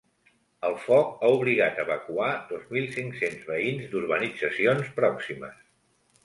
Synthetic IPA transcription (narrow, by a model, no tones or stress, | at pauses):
əlˠfɔk̚auβ̞liɣat̪əβəkuad̪ɔzmilˠsiŋksenzβəinzd̪uɾβənid͡zəsionspɾɔksimə̰s